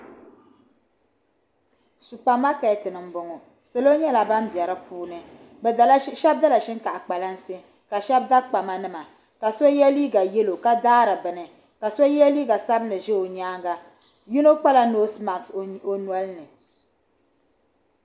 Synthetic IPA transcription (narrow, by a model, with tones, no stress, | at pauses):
su˨pa˨mːa˦ka˨tɨ˨nɨ˨m˦bʊ˨ŋɔ˨ | se˨lo˦ɲɛ˦la˨ba˦m˦bjɛ˨ɾɨ˦pʰuː˦nɨ˦ | bʃɛ˦b̚da˦la˨ʃɪ˦ŋ˦ka˨ʔa˨k͡pa˨la˦n˦sɨ˦ | ka˨ʃɛ˦b̚da˦k͡pa˨ma˦nɨ˦ma˨ | ka˨so˦jɛ˦liː˦ɡa˨jɛ˦lo˨ka˦daː˦ɾɨ˨bɨ˨nɨ˨ | ka˨so˦jɛ˦liː˦ɡa˨sa˦bnɨ˨ʒɛ˦o˨ɲaː˦ŋɡa˨ | ji˦no˦k͡pa˦la˦no˦sma˨ŋso˦nwɔ˦lnɨ˨